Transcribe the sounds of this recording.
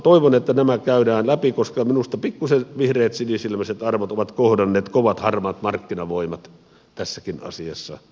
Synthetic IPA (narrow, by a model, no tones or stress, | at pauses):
t̪oiʋonet̪ːænæmækæydæːnlæpikoskɑminust̪ɑpikːuseʋihreːt̪sinisilmæset̪ɑrʋot̪oʋɑt̪kohdɑnːeːt̪koʋɑt̪hɑrmɑt̪mɑrkːinɑʋoimɑt̪ | t̪æsːækinɑ̰siɑ̰sːɑ̰